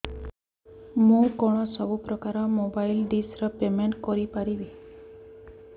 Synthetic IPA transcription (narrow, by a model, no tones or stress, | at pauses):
mũkɔɽ̃ɔsɔbupɾɔkaɾɔmobailɖisɾəpemeɳʈkɔɾipaɾiʋi